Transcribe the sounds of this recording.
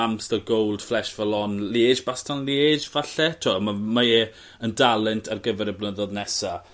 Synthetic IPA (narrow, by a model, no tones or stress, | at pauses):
amsðəɡowlˠd̥flɛʃv̥ɛlˠɔnleːd͡ʒbastʰanleːd͡ʒvaɬɛtʰʊamamae | əndalˠɛntʰarɡəvɛɾɛbnəðɔðnɛsa